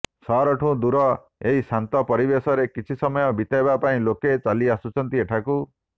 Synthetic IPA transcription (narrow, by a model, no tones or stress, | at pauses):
sɔɾɔʈʰũd̪uɾɔ | eɦisant̪ɔpɔɾibesɔɾekit͡ʃʰisɔmɔjɔbit̪aebapaĩloket͡ʃaliasut͡ʃʰɔnt̪ieʈʰaku